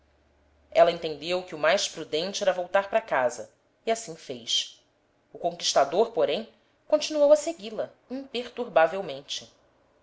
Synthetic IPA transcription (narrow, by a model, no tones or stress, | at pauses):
ɛlɐẽnt̪ẽnd̪ewkɪʊmajʃpɾud̪ẽnt͡ʃɪɛɾɐvowt̪aɾpɾakazɐ | iasĩfejʃ | ʊkõŋkiʃt̪ad̪oɾpoɾẽj̃ | kõt͡ʃinuowɐseɡilɐ | ĩpeχt̪uɾbavewmẽnt͡ʃɪ̥